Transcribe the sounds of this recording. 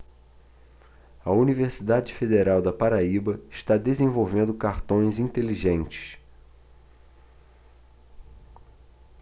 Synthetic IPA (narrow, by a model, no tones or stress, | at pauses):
ɐuniveɾsid̪ad͡ʒɪfed̪eɾawd̪ɐpaɾaibɐɪʃt̪ad̪ezẽvowvẽnd̪ʊkaɾt̪õj̃zĩt̪eliʒẽnt͡ʃɪ̥s